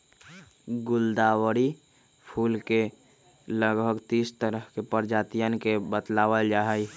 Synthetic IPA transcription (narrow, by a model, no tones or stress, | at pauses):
ɡʊld̪aːwəɾi | pʰuːlke | ləɡbʱəɡt̪iːst̪əɾəɦkepəɾd͡ʒaːt̪ijənkebət̪laːwəld͡ʒaɦəj